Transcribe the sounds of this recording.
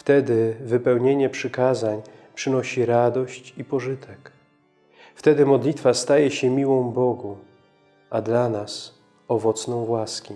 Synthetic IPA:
ft̪ɛd̪ɘvɘpɛwɲeɲɛpʂɘkazaɲ | pʂɘnɔɕiɾad̪ɔɕt͡ɕipɔʐɘt̪ʰɛk | ft̪ɛd̪ɘmɔd̪lʲit̪fast̪ajɛɕɛmʲiwɔ̃w̃bɔɡu | ad̪lanas | ɔvɔt̪snɔ̃w̃vwaskʲi

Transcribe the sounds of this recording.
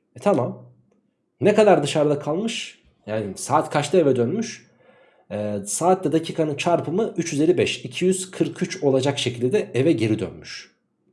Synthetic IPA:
ɛt̪ʰamam | nekad̪aɾd̪ɯʃaɾd̪ˠakʰalˠmɯʃ | jaːnisaːt̪kʰat͡ʃt̪ˠae̞vɛd̪ønmyʃ | saːt̪ʰlʲɛd̪acʰiːkʰanɯt͡ʃʰaɾpʰɯmɯyt͡ʃjyzelʲːibɛʃicʰijyz̥kʰɯɾkʰyt͡ʃo̞lˠad͡ʒakʃe̞cʰilʲd̪ɛevɛɟe̞ɾid̪ø̰nmyʃ

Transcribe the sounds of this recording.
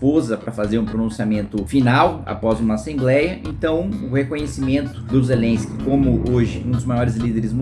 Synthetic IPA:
pozɐpɾɐfazeɾũpɾonũsiamẽnt̪ʊfinawa̰pɔzũmɐasẽmblɛjɐʔḛ̃nt̪ɐ̃w̃ʊhekõɲesimẽnt̪ʊ̥d̪ʊzelẽskɪ̥kõmʊʔoʒɪũd̪ʊzmajɔɾɪzlid̪eɾɪzm

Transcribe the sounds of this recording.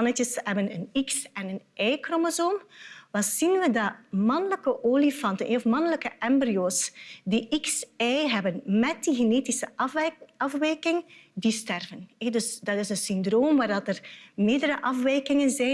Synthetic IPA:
ɑnətəsɦɛbənəniksɛnənʔɛjkromozomʋaz̥inʋədɑmɑnələkəʔoːlifɑntənɛɔfmɑnələkəʔɛmbrioːsdiʔiksɛjɦɛbənmɛt̚diɣeneːtisə | ɑfʋɛjkɪŋdistɛrvənɛdɵsdɑtɪsənsʏndroːmʋaːrdɑtərmɪːrdəɾəʔɑfʋɛjkɪŋənzɛ

